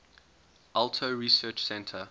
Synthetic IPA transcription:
ʔaltʰoɹisɜˑt͡ʃsɛ̃ntʰə

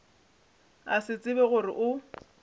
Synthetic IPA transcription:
a̰sɪt͡sʼɪbɛɣʊrɪ̰ʔʊ

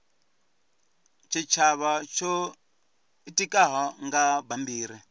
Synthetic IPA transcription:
t͡ʃʰit͡ʃʰaβat͡ʃʰɔ | itʼikʼaɦɔŋɡabambiːɾ̤i

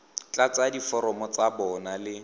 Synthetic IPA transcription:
t͡ɬʼat͡sadifɔɾɔmɔt͡sabɔnalɪ

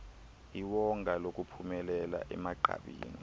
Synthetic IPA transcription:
iwɔŋɡʱalok̬ʼupʰumɛlɛla̰ʔɛmaǃʱa̰ɓḭːni

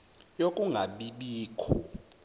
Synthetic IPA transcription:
jokʼuŋɡʱaɓiɓiːkʰɔ

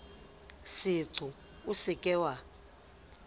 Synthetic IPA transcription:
sitʰu | usikʼɛwa

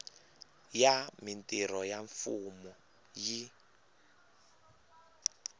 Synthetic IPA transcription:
jamintʼiɾɔjaɱfumɔ | ji

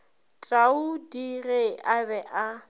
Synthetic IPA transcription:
t͡ʃʼaudiɣeʔabɛʔa

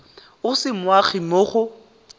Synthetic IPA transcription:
ʊsɪmwaχimoχʊ

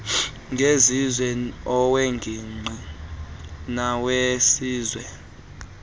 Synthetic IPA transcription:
ŋɡʱezizwɛɔweŋɡʱiŋ͡ǃʱi | nawesiːzwɛ

